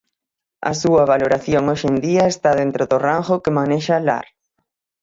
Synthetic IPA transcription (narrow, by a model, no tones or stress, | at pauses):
ɐ̰suɐβ̞aloɾaθjoŋoʃend̪iɐest̪að̞ent̪ɾoðʊraŋxʊkemaneʃala̰ɾ